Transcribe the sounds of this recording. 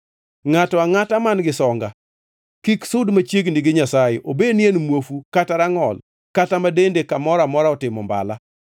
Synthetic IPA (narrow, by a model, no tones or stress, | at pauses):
ŋatɔaŋatamanɡɪsɔŋɡa | kiksʊdmat͡ʃjeɡniɡɪɲasajeʔobenjenmwofukataɾaŋɔl | katamadendekamɔɾamɔɾaɔtɪmɔ̰mba̰la